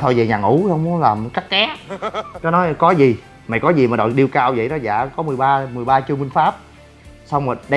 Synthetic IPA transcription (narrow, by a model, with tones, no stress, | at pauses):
t̪ʰo˧jzə˨˩ɲaː˨˩ŋʔu˧˦˧hə˧wŋ͡mmu˨˦ə˦laː˨˩mka˦˥k̚kɛ˦˥kɔ˨˦nɔ˨˦jkɔ˨˦zi˨˩ | ma̰˨jkɔ˨˦zi˨˩maː˨˩ɗo̰˧˨jɗi˧əwkaː˧wzə̰˧˨jnɔ˨˦za̰ː˧˨kɔ˨˦mɨ˨˩jɓaː˧mɨ˨˩jɓaː˧t͡ɕɨ˧mï˧ŋ̟faː˦˥p̚ | sa˧wŋ͡mmaː˨˩ɗə˧